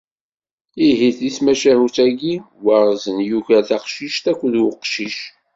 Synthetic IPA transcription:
iɦiθismæʃæhuθæɡi | wəɾˤzənjuʝæθɑqʃiʃt̪ækʷːðwəqʃiʃ

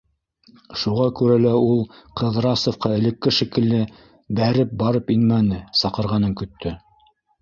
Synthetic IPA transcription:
ʃuʁɑkʉɾælæulˠqɤðɾɑsŏfqɑɘ̆lɘ̆kːɘʃikɘ̆lːɘ | bæɾɘp̚bɑɾɤpinmænɘsɑqɤ̆ɾʁɑnɤŋkɵ̆t̪ʰːɵ

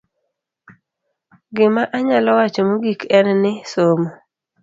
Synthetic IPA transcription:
ɡɪmaʔaɲalɔwat͡ʃɔmoɡikɛnnɪsomo

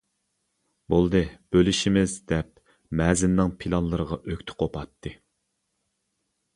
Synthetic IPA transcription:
bolˠd̪ɨb̥ølɪʃimɪzd̪ɛp | mɛːzɪnːɨŋpʰilˠɑnlˠɨɾəʁɑʔøkʲt̪ʰɪ̥qʰopʰɑt̪ʰːɨ

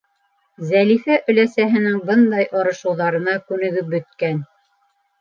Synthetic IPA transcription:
zælifæʔɵ̆læsæɦɘ̆nɘŋbɤnd̪ɑjʔɑɾɤ̆ʃɤ̆wðɑɾɤ̆nɑkʉnɘ̆ɡɵp̚bɵ̆t̪̚kæn

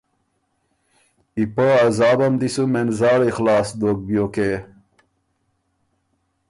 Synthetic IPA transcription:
ipəazɑːbɐmd̪isumenzaːɽexlaːsd̪ok̚bjoke

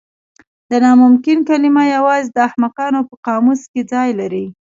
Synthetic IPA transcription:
d̪ənɑmʊmkɪnkalɪmajawɑzed̪əahmaqɑnopəqɑmusked͡zɑjlaɾi

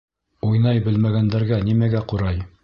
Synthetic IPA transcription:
ujnɑjbɘ̆lmæɡænd̪æɾɡænimæɡæquɾɑj

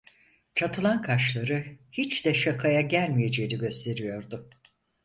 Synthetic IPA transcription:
t͡ʃʰat̪ʰɯlˠankʰaʃlˠaɾɯhit͡ʃd̪ɛʃakʰajaɟælʲmije̞d͡ʒe̞jiniɟø̞st̪ʰe̞ɾijo̞ɾd̪ʊ

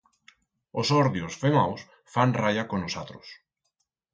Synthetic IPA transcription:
osɔɾðjosfemaws | fanrajakonosat̪ɾʊ̰s

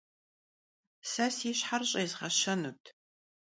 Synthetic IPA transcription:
sɐsiːɕħarɕʼɐzʁɐʃɐnutʰ

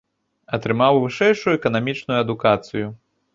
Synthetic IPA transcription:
ɐt̪ɾɨmawvɨʂɛjʂujuɛkɐnamʲit͡ʂnujuɐd̪ukat̪sɨju

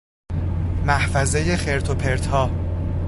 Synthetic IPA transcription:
mæhfæzejexe̞ɾt̪ʰopʰeɾt̪hɒː

